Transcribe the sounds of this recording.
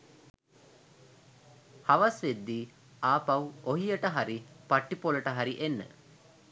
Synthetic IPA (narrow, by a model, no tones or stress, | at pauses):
haʋasʋed̪ːiː | aːpawoɦijəʈəɦaɾipaʈːipoləʈəɦaɾiʔenːə̰